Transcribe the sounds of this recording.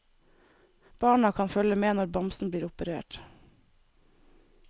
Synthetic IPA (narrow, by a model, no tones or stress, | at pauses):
b̥ɑːɳɑkʰɑnfœləmeːnɔɾbɑmsn̩bliːɾʊpəɾḛːʈ